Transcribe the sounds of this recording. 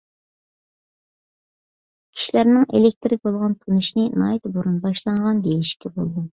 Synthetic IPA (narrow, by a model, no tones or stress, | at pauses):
kʲʰi̥ʃilæɾnɪŋḛlek̚ʲt̪ɪɾɪk̚ʲbolˠʁɑnt̪ʰunuʃnɪnɑjt̪boɾunbɑʃlˠɑɴʁɑnd̪ejiʃkʲʰɛbolˠd̪u